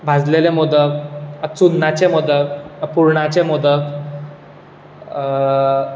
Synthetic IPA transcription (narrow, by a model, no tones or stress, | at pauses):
bʱad͡zlelemod̪ək̚ət͡sunːat͡ɕemod̪əkpuɾɳat͡ɕemod̪ək